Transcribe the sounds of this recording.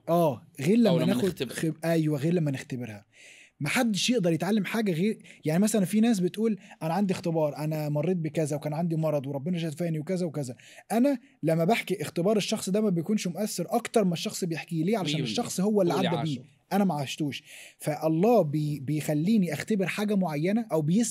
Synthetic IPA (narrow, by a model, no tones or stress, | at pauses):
ʔæːɣeːɾlæmːænæːxod̪ʔæjwæɣeːɾlæmːænext̪æbeɾhæ | maħad̪ːeʃjeʔd̪ɑɾˤjet̪ʕalːemħaːɡæɣeːɾjaʕnimæsælænfinæːs̬bet̪ʔuːlʔænæʕand̪ixt̪ebɑːɾˤʔænæmɑrˤːiːt̪̚bekæzæwekæːnʕand̪imɑɾˤɑd̪ˤweɾˤɑbːenæʒæːt̪fæːniwekæzæwekæzæ | ʔænæ | læmːæbeħkiʔext̪ebɑːɾˤeʃːɑxsˤd̪æmæbejkuːnʃmoʔæsːeɾʔɑkt̪ɑɾˤmæʃːɑxsˤbejeħkiːleːʕalæʃæːneʃʃːɑxsˤhowːælːiʕadʕæbiː | ʔænæmæʕaʃt̪uːʃfæʔɑlˤːɑːbbejxælːiːniʔæxt̪æbeɾħaːɡæmoʕajːænæʔæwbejes